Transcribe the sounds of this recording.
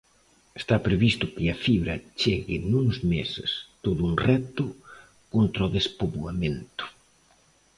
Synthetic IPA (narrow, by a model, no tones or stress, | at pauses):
est̪apɾeβist̪ʊkɪafiβɾɐt͡ʃeɣɪnuŋzmesḛst̪oðuŋrɛt̪ʊ | kont̪ɾaoðespoβwamẽnt̪ʊ̥